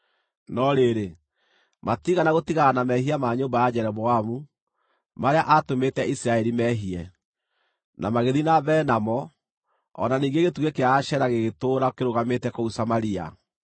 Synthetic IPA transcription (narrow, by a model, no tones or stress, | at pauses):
nɔɾeɾe | matiɣanaɣotiɣaanamɛhiamaɲoːmbajad͡ʑɛɾɛβɔamu | maɾeaʔatometɛʔisiɾaɛɾimɛɦiɛ | na̰maɣeðinabɛnamɔ | ɔ̰naniːŋɡeɣetuɣekeaːʃɛɾaɣeɣetoːɾakeɾoɣametɛkousamaɾia̰